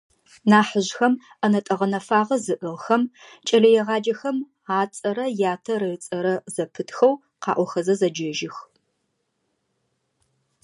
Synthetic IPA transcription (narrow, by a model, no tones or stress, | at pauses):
naːħəʑxɐm | ɐnɐtʼɐʁɐnɐfaːʁɐzɨʔɨʁxɐmt͡ʃʼɐɮɐjɛʁɑːd͡ʒɐxɐm | aːt͡sʼɐɾɐjaːtʰɐrɨt͡sʼɐɾɐzɐpʰɨtʰxɐw | qɑ̰ːʔʷɔxɐzɐzɐd͡ʒɐʒɪx